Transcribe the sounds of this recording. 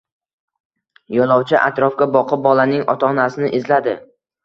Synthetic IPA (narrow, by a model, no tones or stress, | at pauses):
jɒlˠɒwt͡ʃʰɪʔa̰t̪ɾɒfkʲabɒqʰɨp̚bɒlanɪŋɒ̰t̪ʰɒnasɪnɪʔɪzlad̪ɪ